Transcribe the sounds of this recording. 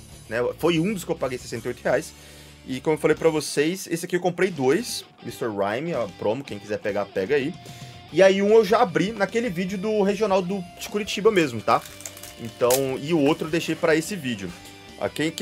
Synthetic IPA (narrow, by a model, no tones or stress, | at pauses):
nɛfojũd̪ʊskɪewpaɡejsesẽneojt̪ʊheajs | ɪkõmoewfalejpɾɐvosejsesɪakiewkõmpɾejd̪ojs | mist̪oɾɾajmɪɐpɾõmʊkẽj̃kizɛɾpeɡapɛɡɐai | ɪaiũewʒaabɾinɐkelɪvid͡ʒʊd̪ʊɦeʒionawd̪ʊd͡ʒɪkuɾit͡ʃibɐmezmʊt̪a | ḛ̃nt̪ɐ̃w̃ɪʊowt̪ɾʊewd̪ejʃejpɾɐesɪvid͡ʒʊ | a̰kẽk